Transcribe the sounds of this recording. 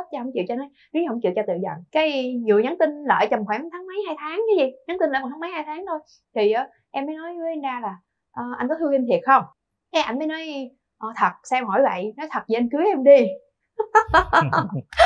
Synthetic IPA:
t͡ɕa˧ɦə˧˩wŋ͡mt͡ɕḭ˧˨wt͡ɕɔ˧nɔ˨˦jɲ˨˦˧ə˧˩ŋ͡mt͡ɕḭ˧˨əwt͡ɕɔ˧t̪ɨ̰˧˨zə̰˧˨nkaː˨˦jɲi˨˩əɲa˨˦nt̪ï˧nlə̰ː˧˨jt͡ɕə˨˩ŋ͡mxwɛː˧˩˦mt̪ʰaː˨˦ŋmə˨˦jhaː˧jt̪ʰaː˨˦ŋkɨ˨˦zi˨˩ɲa˨˦ŋt̪i˧nləː˧˨˩t̪ʰaː˨˦mə˨˦jhaː˧jt̪ʰaː˨˦ŋt̪ʰo˧j | t̪ʰi˨˩ʔə˨˦ | ʔɛ˧mːəː˨˦jnɔ˨˦jnzaː˧laː˨˩ | ʔəː˨˩ʔa˧jnkɔ˨˦t̪ʰɨ˧ŋki˧nt̪ʰi˨˩ət̚xə˧wŋ͡m | kaː˨˦jʔa˧jŋ̟məː˨˦jnɔ˨˦j | ʔɔː˧˩t̪ʰə˨˩t̚sɛ˧mhɔ˧˩jvə̰˧˨jnɔ˨˦jt̪ʰə˨˩t̚zi˧ʔa˧nkɨ˨˦ʔɛ˧mɗi˧

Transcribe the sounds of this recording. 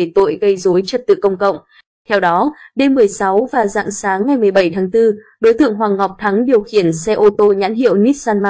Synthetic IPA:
e˧˩t̪o̰˧˨jɣə˧jzo˨˦jt͡ɕə˨˩t̚t̪ɨ̰˧˨kə˧wŋ͡mkə̰˧˨wŋ͡m | t̪ʰɛ˧wɗɔ˨˦ɗe˧mːɨ˨˩əjsa˨˦wvaː˨˩za̰ː˧˨ŋsaː˨˦ŋːa˨˩jmɨ˨˩əjɓə˧˩jt̪ʰaː˨˦ŋt̪ɨ˧ | ɗo˨˦jt̪ɨ̰˧˨əŋɦwaː˨˩ŋɦɔ˨˩wk͡p̚t̪ʰa˨˦ŋɗi˨˩əwxi˧˩ənsɛ˧ʔo˧t̪o˧ɲa̰ː˧˥nɦḭ˧˨ə˨wni˦˥t̚saː˧nma˧

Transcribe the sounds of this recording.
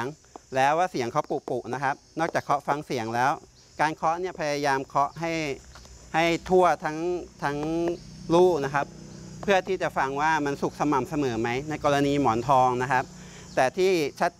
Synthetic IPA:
ŋ | lɛː˦˥waː˥˩si˩˦əŋkʰa˦˥wpu˨˩puː˨˩k̚na˦˥kʰa˦˥p̚nɔː˥˩k̚t͡ɕaː˨˩kʰːɔ˦˥fa˧ŋsi˨˩˦əŋlɛː˦˥w | kaː˧nkʰɔ˦˥ʔni˥˩ɐpʰa˧ja˧jaː˧mkʰɔ˦˥ʔɦa˥˩jha˥˩jt̪ʰu˥˩ɐt̪ʰa˦˥ŋt̪ʰa˦˥ŋluː˥˩k̚na˦˥kʰa˦˥p̚ʰːɯ˥˩ɐt̪ʰiː˥˩t͡ɕa˨˩fa˧ŋwaː˥˩ma˧nsu˨˩k̚sa˧ma˨˩msa˧mɤː˩˦ma˦˥jna˧jkɔː˧ɾa˧niː˧mɔː˩˦nt̪ʰɔː˧ŋna˦˥kʰa˦˥p̚ | t̪ɛː˨˩t̪ʰiː˥˩t͡ɕʰa˦˥t̪̚

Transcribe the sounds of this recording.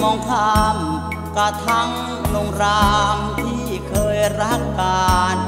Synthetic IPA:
mɔː˧ŋt̪ʰa˧m | ka˧t̪ʰa˦˥˩ŋ | no˧ŋɾaː˦˥mt̪ʰiː˥˩kʰɤː˧jɾa˦˧˥ɦa˧˩kːaː˧n

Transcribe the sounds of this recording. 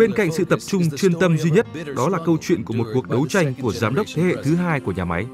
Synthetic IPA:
ɓe˧nka̰˧˨jŋ̟sɨ̰˧˨t̪ə˨˩p̚t͡ɕʊ˧ŋ͡mt͡ɕwi˧ənt̪ə˧mzi˧ɲə˦˥t̚ɗɔ˨˦laː˨˩kə˧wt͡ɕwḭ˧˨ənku˧˩mo˨˩t̚ku˨˩ək̚ɗə˨˦wt͡ɕa˧jŋ̟ku˧˩əzaː˨˦mɗə˦˥wk͡p̚t̪ʰe˨˦hḛ˧˨t̪ʰɨ˨˦ɦaː˧jku˧˩əɲaː˨˩ma˨˦j

